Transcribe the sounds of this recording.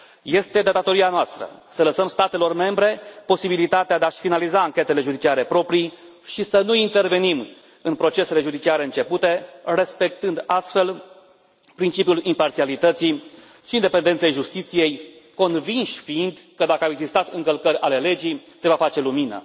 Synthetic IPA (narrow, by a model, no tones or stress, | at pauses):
je̞st̪e̞d̪ad̪at̪o̞ɾianoast̪ɾə̰sələsəmst̪at̪e̞lo̞rme̞mbɾe̞po̞sibilit̪at̪ead̪eaʃfinalizaːŋkʲe̞t̪e̞le̞ʒud̪it͡ʃiaɾe̞pɾo̞pɾi | ʃisənuint̪e̞rve̞nim | ɨnpɾo̞t͡ʃe̞se̞le̞ʒud̪it͡ʃiaɾe̞ɨnt͡ʃe̞put̪e̞re̞spe̞k̚t̪ɨnd̪ast̪fe̞l | pɾint͡ʃipjulimpart̪sialit̪ət̪sij | ʃiːnd̪epend̪ent̪sejʒust̪it̪sije̞jko̞nvinʃʲfiind̪kəd̪akəaeɡzist̪at̪ɨŋkəlkəɾʲale̞le̞d͡ʒijse̞vafat͡ʃe̞luminə̰